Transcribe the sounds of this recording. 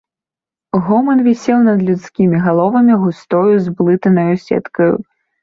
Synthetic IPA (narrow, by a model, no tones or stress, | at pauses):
ɣɔmɐnvʲisʲɛwnɐd̪lʲut̪skʲimʲiɣalˠɔvɐmʲiɣust̪ɔjuzblˠɨt̪ɐnɐjusʲɛ̰t̪kɐjṵ